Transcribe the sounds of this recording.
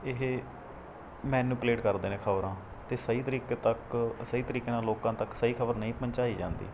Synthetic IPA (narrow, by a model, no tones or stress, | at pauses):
ɪɦe | mɛ̃ːnũːpleːʈkəɾd̪eːnẽːkʰəʋɾãː | t̪eːsəiːt̪əɾiːkːt̪əksəiːt̪əɾiːkeːnãːloːkãːt̪əksəiːkʰəbəɾnəĩːpəɲt͡ʃaːiːd͡ʒã̰ːnd̪ḭː